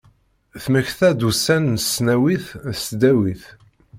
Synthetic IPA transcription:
θməçθæd̪usænnsnæwiθsd̪æwiθ

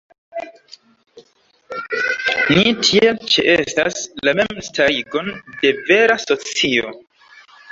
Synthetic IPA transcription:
nitʰielt͡ʃḛʔesta̰slame̞mstaɾiɡo̞nde̞ve̞ɾaso̞t͡sio̞̰

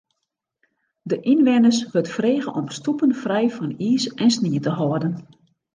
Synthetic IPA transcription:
dəʔinʋɛnəsʋøtfreːɣəʔɔmstupənfrɛjfɔniːsɛnsniətəɦɔədən

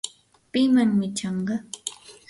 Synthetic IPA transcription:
pɪmaŋmɪt͡ʃɑɴɢɑ

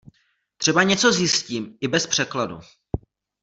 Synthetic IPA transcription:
t̪r̥ɛbaɲɛt͡so̞zjɪsciːmɪbɛspr̝̥ɛkladṵ

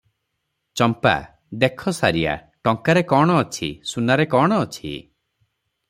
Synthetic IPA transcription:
t͡ʃɔmpa̰ | d̪ekʰɔsaɾia̰ | ʈɔŋkaɾekɔɽ̃ɔːt͡ʃʰḭsunaɾekɔɽ̃ɔːt͡ʃʰḭ

